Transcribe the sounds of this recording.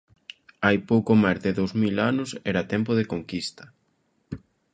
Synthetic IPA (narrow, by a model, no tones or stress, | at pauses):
ajpowkomajzðɪðowzmilanʊsɛɾat̪ɛmpʊðekoŋkist̪ɐ̥